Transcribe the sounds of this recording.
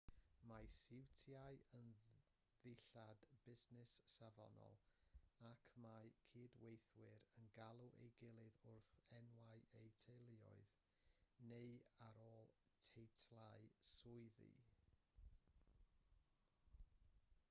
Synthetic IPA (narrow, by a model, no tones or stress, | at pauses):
majsɪwtʰjajən | ðɪɬadbɪznɪsːavɔ̰nɔ̰lˠakʰmajkʰiːdwejθwɪɾənɡalˠuʔḛjɡɪlˠɨðʊrθɛnwajejtʰejlˠɪɔ̰ɨð | neɨaɾoːlˠ | tʰejtʰlˠaɨsʊɨðḭ